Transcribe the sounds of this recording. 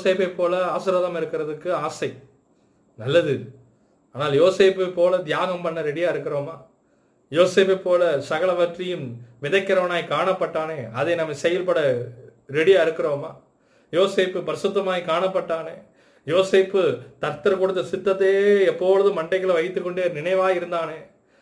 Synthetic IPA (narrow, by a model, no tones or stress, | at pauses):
oseːpɐpːoːlɐaːsɪɾaːðɐmɪɾɯkːɪɾɐðɯkːɯaːsɐɪ | nɐlːɐðɯ | aːnaːljoːseːpːɯpːoːlɐd̪ɪjaːɣɐmpɐɳːɐɾɛɽɪjaːɪɾɯkːɪɾoːmaː | joːseːp̬epːoːlɐsɐɣɐɭɐʋɐʈrɪjɯmʋɪðɐɪkːɪɾɐʋɐnaːjkaːɳɐpːɐʈːaːneːɐðenɐmːɐsɛjɐlpɐɽɐ | ɾɛɽɪjaːɪɾɯkːɪɾoːmaː | joːseːpːɯpɐɾɪsɯt̪ːɐmaːjikaːɳɐpːɐʈːaːneː | joːseːpːɯt̪ɐɾt̪ɐɾkɔɽɯt̪ːɐsɪt̪ːɐt̪ːejɛpːoːlɐðɯmɐɳɖɐkːɐlɐʋɐɪt̪ːɯkːɔɳɖeːnɪɳɐɪʋaːɪɾɯnd̪aːneː